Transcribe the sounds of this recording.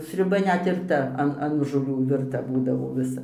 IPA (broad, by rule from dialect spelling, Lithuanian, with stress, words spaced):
sʲrʲʊˈbɐ ɘnʲɛt ɪr ˈtɐ ˈɐn ɐn ʒoːˈlʲuː ʋʲɪrˈtɐ ˈbuːdɐʋoː ʋʲɪˈsɐ